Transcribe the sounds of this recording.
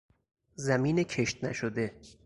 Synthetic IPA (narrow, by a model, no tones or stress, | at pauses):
zæmiːnecʰeʃt̪̚næʃod̪e̞